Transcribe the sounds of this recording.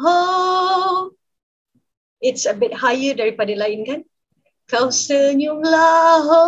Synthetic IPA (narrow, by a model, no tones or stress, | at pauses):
ɦo | ɪtsəbɪt̚hajədaɹipadəlajinkan | kawsəɲulaɦo